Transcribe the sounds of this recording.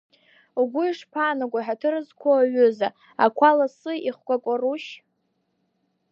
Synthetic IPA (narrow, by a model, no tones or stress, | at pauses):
uɡʷʊiʂpʰaːnaɡʷaħatʰɨrɨzkʷʰoɥʊza | akʷʰalasɨiχʷkʷakʷʼaruʃ